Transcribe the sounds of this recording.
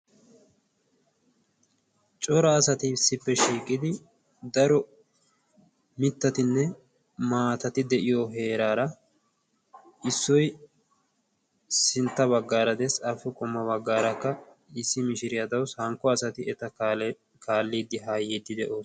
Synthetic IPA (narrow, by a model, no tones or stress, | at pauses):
t͡ʃʼɔɾɐːsɐt̪ɪsːɪpːɛʃiːkʼːɪd̪ɪ | d̪ɐɾɔ | mɪt̪ːɐt̪ɪnːɛ | maːt̪ɐt̪ɪd̪ɛʔɪjɔɦe̞ːɾaːɾɐ | ʔɪsːɔj | sɪnt̪ːɐβɐɡːaːɾɐd̪ɛsɐfːɛkʼɔmːɐβɐɡːaːɾɐkːɐ | ɪsːɪmɪʃɪɾɪjɐd̪ɐwshɐŋkːɔɐsɐt̪ɪɛt̪ɐ | kʰaːlːiːd̪ːɪɦaːjiːd̪ːɪd̪ɛʔoːs